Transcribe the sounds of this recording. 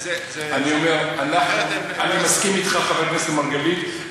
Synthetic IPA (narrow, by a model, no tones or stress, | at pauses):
anio̞me̞ʁanaχnu | animaskimit̪χaχaveʁneslemaʁɡalit̪